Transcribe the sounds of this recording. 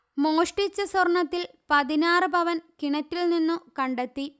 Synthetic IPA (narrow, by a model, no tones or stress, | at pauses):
mo̞ːʂʈit͡ɕːɐsɐrɳɐt̪ːil | pɐðinaːrɨbʱɐʋɐnkiɳɐtːilninːukɐɳɖet̪ːi